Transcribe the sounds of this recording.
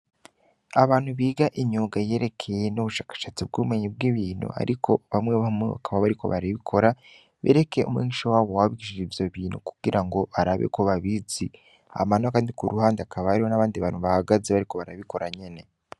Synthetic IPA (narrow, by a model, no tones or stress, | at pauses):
aβaːn̥huβiːɡaʔiɲuːɡaje̞ɾe̞kʰe̞jenuβuʃaːkḁʃaːt͡sib̚ɡuβume̞ɲib̚ɡiβiːnṵa̰ɾʔikʰo̞βamŋeβameβa̰kʰaβaβaɾiko̞̰βaɾiβikʰo̞ɾa | βḛːɾe̞ke̞ʔṵmweːɲiʃowaːwowaβiɡiʃiʒivjo̞βiːnuku̥ɡ̥iɾʔaŋɡo̞βaɾaβḛko̞βaβizi | a̰manakaːndikuɾuhaːndeakaβaaɾiwonaβaːndiβaːnhuβahaɡazeβaɾiko̞βaɾaβiko̞ɾaɲe̞ne̞